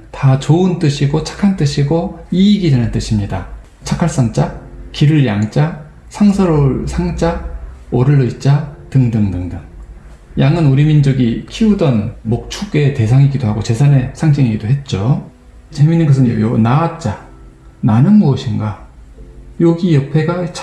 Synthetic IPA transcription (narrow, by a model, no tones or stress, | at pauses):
tat͡ɕoɯnt͈ɯɕʰiɡot͡ɕʰḁkʰant͈ɯɕʰiɡoiːɡidanɯnt͈ɯɕʰimɲida | t͡ɕʰakʰaɭs͈aŋt͡ɕ͈akiɾɯɭjaŋt͡ɕ͈a | sʰaŋsʰʌɾoɭsʰaŋt͡ɕ͈aoɾɯɭːʌit̚t͡ɕ͈atɯŋdɯŋdɯŋdɯŋ | jaŋɯnuɾimind͡ʑʌɡikʰiudʌnmok̚t͡ɕʰuk͈ete̞sʰaŋiɡidoɦaɡot͡ɕe̞sʰane̞sʰaŋd͡ʑiŋiɡidoɦe̞t̚t͡ɕ͈o | t͡ɕe̞minːɯnɡʌsʰɯnjonaat̚t͡ɕ͈a | nanɯnmuʌɕʰinɡa | joɡijʌpʰe̞ɡat͡ɕʰ